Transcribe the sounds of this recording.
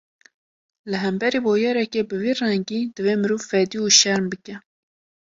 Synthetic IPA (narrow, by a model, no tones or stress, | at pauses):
lɨɦɛmbɛɾiːboːjɛːɾɛkeːbɨviːrɛŋɡiːd̪̥ɨveːmɨɾuːvfɛd̪iːuːʃɛɾmbɨkɛ